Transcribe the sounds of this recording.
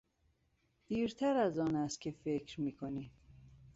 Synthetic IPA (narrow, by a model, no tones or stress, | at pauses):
d̪̥iːɾt̪ʰæɾæzɒːnæst̪̚cʰe̞fe̞cʰɾmiːkʰoniː